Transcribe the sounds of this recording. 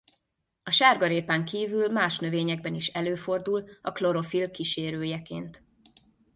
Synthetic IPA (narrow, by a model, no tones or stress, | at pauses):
ɒʃaːrɡɒɾeːpaŋkiːvylmaːʃnø̞veːɲɛɡ̚bɛniʃɛløːfo̞rd̪ulɒklo̞ɾo̞filkiʃeːɾøːjɛkeːnt̪